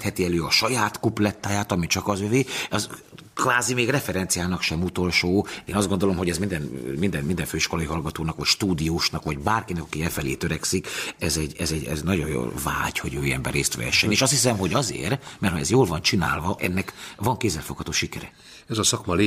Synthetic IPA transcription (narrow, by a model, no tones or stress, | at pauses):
t̪hɛt̪iɛløːɒʃɒjaːt̪kuplɛt̪ːaːjaːt̪ɒmit͡ʃɒkɒzøveːɒz | kvaːzimeːɡrɛfɛɾɛnt̪sijaːlnɒkʃɛmut̪o̞lʃoːeːnɒzd̪ɡo̞nd̪o̞lo̞mɦo̞ɟɛzmind̪ɛnmind̪ɛnmind̪ɛɱføːiʃko̞lɒiɦɒlɡɒt̪oːnɒkʋɒcʃt̪uːd̪iuːʃnɒkʋɒɟbaːrkinɛkɒkiɛfɛlḛːt̪øɾɛksikɛzɛɟːɛzɛɟɛ̰znɒɟo̞̰jo̰lva̰ːɟhoɟø̰ːjɛ̰mbɛ̰reːst̪ʋɛ̰ɛʃːɛneːʃɒst̪his̬ɛmɦo̞ɟɒzḛːrmɛrt̪hoɛzjoːlvɒnt͡ʃina̰ːlvɒʔɛ̰nːɛkvɒŋkeːzːɛlfokhɒt̪oːʃikɛɾɛ | ɛzɒsɒkmɒle